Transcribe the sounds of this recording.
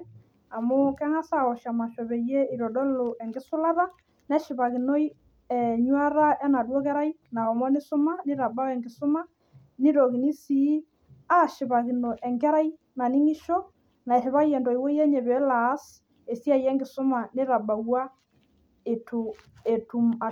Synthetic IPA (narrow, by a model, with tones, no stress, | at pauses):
a˨mo˦kɛ˦ŋa˦sa˦˨ɣɔ˨ʃa˨ma˨ʃɔ˨βɛ˨jɛ˦i˨ɾɔ˨dɔ˦lo˨ʔɛ˨ŋɡɪ˦sʊ˦la˦ða˦ | nɛ˦ʃɪ˨βa˨ɣi˨nɔ˦i˦ | ɛ˨ɲwa˦ɾa˦ʔɛ˦na˨dwɔ˦kɛ˦ɾa˦i˦na˨ɔ˨mɔ˦nɪ˦sʊ˦ma˦nɪ˦ɾa˨ba˦wɛ˨ŋɡɪ˨sʊ˦ma˦ | ni˦ɾɔ˨ɣi˨ni˦si˨˦ | a˦ʃɪ˨βa˨ɣi˨nɔ˨ʔɛ˨ŋɡɛ˦ɾa˦i˦ | na˨ni˦ŋi˦ʃɔ˦ | na˨e˨ʃi˨βa˦jɛ˨ndɔ˨i˨wɔ˦i˦ɛ˦ɲɛ˨βɛ˨˦laː˨˦s | e˨sja˦jɛ˦ŋɡɪ˨sʊ˦ma˨nɪ˦ɾa˨ba˨wa˦ | e˨to˨ | e˨tu˨ma˨